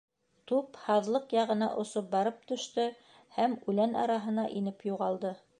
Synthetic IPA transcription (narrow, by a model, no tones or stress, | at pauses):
t̪uphɑðlˠɤqjɑʁɤ̆nɑ̰ʔŏsop̚bɑɾɤp̚t̪ɵ̆ʃt̪ɵ | hæmʉlænɑ̰ɾɑɦɤ̆nɑʔinɘpjuʁɑlˠd̪ɤ